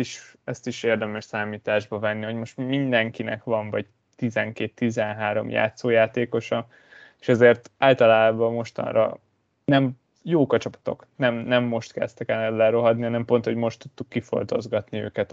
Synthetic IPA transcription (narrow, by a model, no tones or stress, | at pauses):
iʃɛst̪iʃeːrd̪ɛmɛʃsaːmiːt̪aːʒbɒvɛnːiho̞ɟmo̞ʃt̪mind̪ɛŋkinɛ̰kʋɒɱvɒɟ | t̪izɛŋkeːt̪ːizɛnɦaːɾo̞̰mja̰ːt̪soːjaːt̪eːko̞ʃɒ | e̥ʃɛzeːrt̪aːlt̪ɒlaːbɒmo̞ʃt̪ɒ̰nrɒ̰ | nɛm | joːkɒt͡ʃɒpɒ̥t̪o̞̰knɛmnɛmːo̞ʃt̪kɛɛ̰st̪ɛkɛlɛllɛɾo̞ɦɒd̪nihɒnɛmpo̞nt̪ho̞ɟmo̞ʃt̪ːut̪ːukːifo̞̰lt̪o̞̰zɡɒt̪niø̰ːkɛt̪